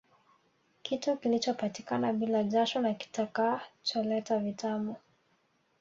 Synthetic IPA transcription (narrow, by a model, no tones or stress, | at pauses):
kitukilit͡ʃɔpatikanaɓilaʄaʃɔnaki̥takaːt͡ʃɔlɛtavitʰamɔ